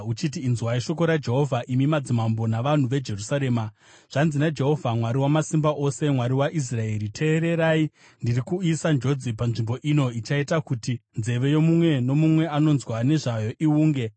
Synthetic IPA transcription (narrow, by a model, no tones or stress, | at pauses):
ut͡ʃit̬iːnzwaiʃo̞ko̞ɾad͡ʒe̞ɦo̞vʱaʔimimad͡zimambo̞naʋan̤uʋe̞d͡ʒe̞rusaɾe̞ːma | ʐ̥anzinad͡ʒe̞ɦo̞vʱamwaɾiwamasimbaʔo̞se̞mwaɾiwaʔis̬rae̞ɾitʰe̞ːɾe̞ɾaːi | ndirikuisand͡ʒo̞d͡zipanʐimbo̞ʔino̞it͡ʃaitakutinze̞ʋe̞jo̞mumwe̞no̞mumwe̞ano̞nzwane̞ʐajo̞ʔiuːŋɡe